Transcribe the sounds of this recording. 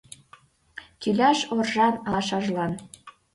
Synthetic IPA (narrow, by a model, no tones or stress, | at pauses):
t̪ylʲæʃorʒɑnɑʃɑʒlɑn